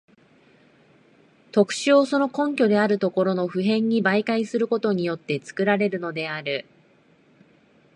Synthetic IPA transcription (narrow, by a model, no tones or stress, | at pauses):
t̪o̞kɯ̟̥ɕɨo̞so̞no̞kõ̞ŋkʲo̞d̪e̞aɾɯ̟t̪o̞ko̞ɾo̞no̞ɸɯ̟ɦẽ̞ɲ̟ːibaikaisɨɾɯ̟ko̞t̪o̞ɲ̟ijo̞t̪ːe̞t͡sɨ̥kɯ̟ɾaɾe̞ɾɯ̟no̞d̪e̞aɾɯ̟